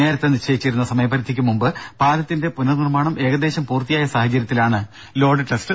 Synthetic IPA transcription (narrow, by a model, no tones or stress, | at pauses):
ne̞ːɾɐt̪ːenːiɕejit͡ɕːiɾunːɐsɐmɐjɐpːɐɾid̪ʱːikʲːumumbɨpaːlɐt̪ːinde̞punɐnirmaːɳɐmʔe̞ːɣɐd̪e̞ːɕɐmpuːrt̪ijaːjɐsaːhɐt͡ɕːɐɾjɐt̪ːilaːɳɨ | lo̞ːɖɨʈesʈɨ